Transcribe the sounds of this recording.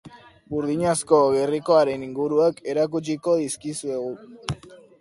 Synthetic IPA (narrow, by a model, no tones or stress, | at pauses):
buɾðiɲasko̞ɣe̞riko̞aɾe̞niŋɡuɾuake̞ɾak̬ut͡ʃiko̞ðiskisue̞ɣu